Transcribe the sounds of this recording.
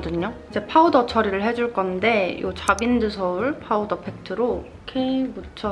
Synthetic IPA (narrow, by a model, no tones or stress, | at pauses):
dɯɲoid͡ʑe̞pʰaudʌt͡ɕʰʌɾiɾɯɭɦe̞d͡ʑuɭk͈ʌnde̞jo̰t͡ɕabindɯsʰʌuɭpʰaudʌpʰe̞k̚tʰɯɾo | kʰebut͡ɕʰʌ